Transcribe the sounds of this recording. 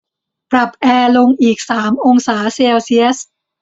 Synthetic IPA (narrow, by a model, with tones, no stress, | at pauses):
pɾa˨˩p̚ʔɛː˧lo˧ŋʔiː˨˩k̚saː˩˦mʔo˧ŋsaː˩˦seː˧wsi˦˥ə˦s